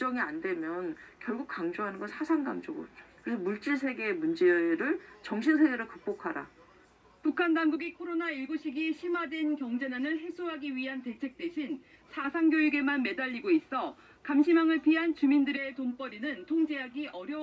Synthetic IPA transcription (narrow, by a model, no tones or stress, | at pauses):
t͡ɕ͈ʌŋiandwe̞mjʌnkjʌɭɡuk̚k͈aŋd͡ʑoɦanɯnɡʌnsʰasʰaŋɡa̰md͡ʑoɡo̰d͡ʑokɯɾesʰʌmuɭt͡ɕ͈iɭsʰe̞ɡe̞ːmund͡ʑe̞ʌeɾɯɭt͡ɕʌŋɕʰinsʰeɡe̞ɾɯɭkɯk̚p͈okʰaɾa̰ | pukʰandaŋɡuɡikʰoɾonaiɭɡuɕʰiɡiɕʰimadwenkjʌŋd͡ʑe̞nanɯɭɦeks͈uɦaɡiɥiɦante̞t͡ɕʰe̞k̚t͈weɕʰin | sʰasʰaŋɡjojuɡe̞manme̞daʎːiɡois͈ʌ | kamɕʰimjaŋɯɭpiɦant͡ɕumindɯɾe̞toŋp͈ʌɾinɯntʰoŋd͡ʑeɦaɡiʔʌɾjʌ